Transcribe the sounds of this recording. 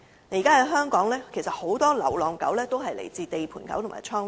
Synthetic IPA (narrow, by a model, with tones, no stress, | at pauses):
ne˧˥jiː˨˩kaː˥ɐ˨˧˥ɦœː˥ŋkɔː˨˥ŋlɛː˥kʰe˨˩jsɐ˨t̚ho˨˧˥wt̪ɔː˥lɐ̰˨˩wlɔː˨˩ŋkɐ˨˥wlɛː˥t̪o˥wɦɐ˨jlḛ˨˩jt͡siː˧t̪e˨jpʰuː˨˩nkɐ̰˨˥wt̪o˨˩maː˨˩t͡ʃʰɔː˥ŋ